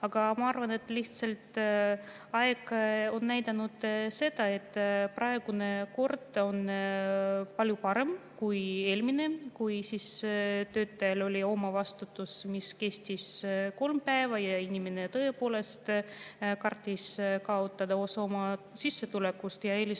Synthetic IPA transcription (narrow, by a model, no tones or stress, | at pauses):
ɑɡ̥ɑmɑɑrvɑne̞t̪ːˑliht̪selt̪ | ɑeɡ̥o̞nːæjd̪ɑnud̪̥se̞d̪̥ɑe̞t̪ːprʔɑe̞ɡ̥une̞ko̞rd̪̥o̞n | pɑlʲjupɑɾe̞mkuje̞ːlʲmine̞kujsist̪ø̞ːt̪ːɑjɑlo̞lʲio̞mɑvɑst̪ut̪ːˑusmiske̞st̪ʲisko̞lmpæevɑjɑinʲimene̞t̪ɤ̞e̞po̞ːle̞st̪kɑrt̪ʲːˑiskɑot̪ːˑɑd̪̥ɑo̞sɑomɑsisːe̞t̪ule̞kːust̪jɑe̞ːlʲis